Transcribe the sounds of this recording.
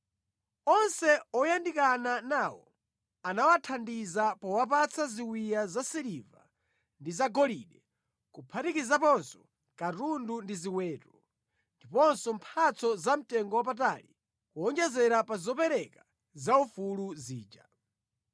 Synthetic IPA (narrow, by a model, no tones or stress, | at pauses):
ɔnsɛɔjandikananaːwɔ̰ | anawatʰandizapɔwap̬at͡sʰaziwijazasiɾiva̰ | ndizaɡɔliɗɛ | kupʰatikizapɔnsɔ̥ | katundundiziwɛːtɔ | ndipɔnsɔmpʰat͡sɔzam̩tɛŋɡɔwap̬at̬alḭ | kuɔŋd͡ʒɛzɛɾapazɔpɛɾɛka | zaufuluziːd͡ʒa